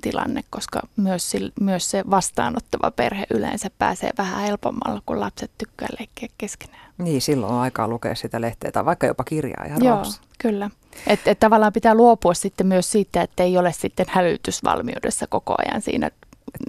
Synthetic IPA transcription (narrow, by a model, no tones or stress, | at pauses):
t̪ilɑ̰nːekkoskɑ̰myøssilmyøsseʋɑst̪ɑ̰ːnot̪ːɑʋɑ̰pḛrheʔylḛnsæppæ̰ːsḛːʋæhæ̰helpomːɑ̰lːɑkulɑpset̪t̪ykːæːlehkːeækkeske̥næːniːsilːo̰nɑikɑːlukḛːssit̪æleht̪ḛːt̪æʋɑikːɑjo̰pɑkirjɑ̰ːjɑjoːs | kylːæ | et̪et̪t̪ɑʋɑlːˑɑːmpit̪æluopuɑssit̪ːemyøssiːt̪ːæet̪ːæeiolessit̪ːenhælyt̪ysʋɑ̰lmiudḛsːækoko̰ɑ̰jɑ̰nsḭːnæ̰